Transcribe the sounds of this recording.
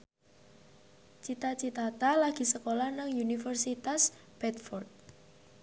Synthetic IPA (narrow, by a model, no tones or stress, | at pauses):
t͡ʃit̪at͡ʃit̪at̪alaɡ̥i̤səkolanaŋjunifərsit̪asb̥ɛt̪̚fɔrt̪̚